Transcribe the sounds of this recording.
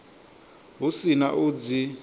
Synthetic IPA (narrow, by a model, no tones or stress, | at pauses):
ɦusina̰ʔud͡zi